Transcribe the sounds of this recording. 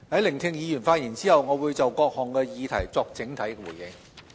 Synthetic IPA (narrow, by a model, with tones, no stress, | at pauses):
hɐ˨˥jlɪ˨˩ŋt̪ʰɪ˧ŋjiː˨˧jyː˨˩nfaː˧t̚jiː˨˩nt͡siː˥hɐ˨wŋɔː˨˧wuː˨˧jt͡sɐ˨˩wkɔː˧k̚hɔː˨˩ŋkɛ˧jiː˨˧t̪ʰɐ̰˨˩jt͡sɔː˧k̚t͡sɪ˨˥ŋt̪ʰɐ˨˥jkɛ˧wuː˨˩jɪ̰˨˧ŋ